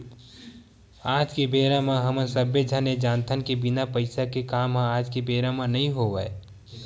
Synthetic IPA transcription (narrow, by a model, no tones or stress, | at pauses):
aːd͡ʒkebeːɾamãɦəmə̃səbed͡ʒʱəned͡ʒaːnt̪ʰənkebɪnapəɪsakekaːmɦãaːd͡ʒkebeːɾamãnɐɦĩɦoʋae